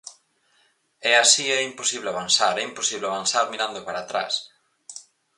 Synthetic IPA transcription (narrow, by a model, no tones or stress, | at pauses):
ɛasiɛimposiβleaβansaɾɛimposiβleaβansaɾmiɾand̪opaɾat̪ɾa̰s